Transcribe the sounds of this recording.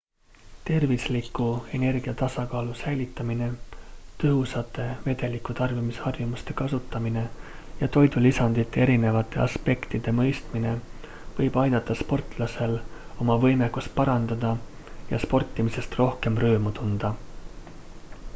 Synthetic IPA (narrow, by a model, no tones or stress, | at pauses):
t̪e̞rvislikːˑue̞ne̞rɡ̥iɑt̪ɑsɑkɑːlusæjlit̪ːˑɑmine̞t̪ɤɦusɑt̪ːˑe̞ve̞d̪e̞likːˑut̪ɑrvimisɑrjumust̪e̞kɑsut̪ˑːɑmine̞ | jɑt̪o̞jd̪̥ulisɑnd̪̥it̪ːe̞e̞ɾine̞vɑt̪ːˑe̞ʔɑspe̞kt̪id̪̥e̞mɤ̞jst̪mine̞ | vɤ̞jb̥ɑjd̪̥ɑt̪ːˑɑspo̞rt̪ˑlɑse̞lo̞mɑvɤjmekːust̪̚pɑɾɑnd̪̥ɑd̪ɑ | jɑspo̞rt̪ˑːimise̞st̪ro̞hke̞mrø̞ːmut̪und̪̥ɑ